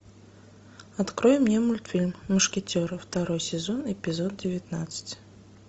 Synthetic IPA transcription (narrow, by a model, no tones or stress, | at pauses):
at̪kɾɔjɛmnʲɛmulʲt̪fʲilʲmːɐʂkʲɛt͡sʲɔɾɨwt̪aɾɔjsʲɛzɔnɛpʲizɔd̪̚d͡zʲɪvʲat̪nat̪sɨ̥t͡sʲ